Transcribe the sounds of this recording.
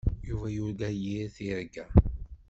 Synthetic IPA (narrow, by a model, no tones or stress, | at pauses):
juvæjʊɾɡæjiɾθiɾɡæ